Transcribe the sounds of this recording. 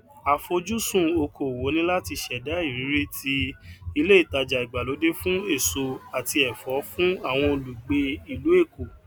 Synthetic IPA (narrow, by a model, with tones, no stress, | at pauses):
a˨fo˧d͡ʒu˦sũ˦˨o˧kʰo˨wo˨˦nĩ˦la˦ti˧ʃɛ˨da˨˦i˦˨ɾ̃ĩ˨˦ɾe˦tʰi˧i˧le˦i˦˨ta˧d͡ʒa˨i˨ɡ͡ba˨lo˨˦de˦fũ˦e˦˨so˧a˨ti˧ɛ˨fɔ˨˦fũ˦a˦˨w̃ɔ̃˧o˧lu˨ɡ͡be˧i˨lu˨˦e˦˨ko˨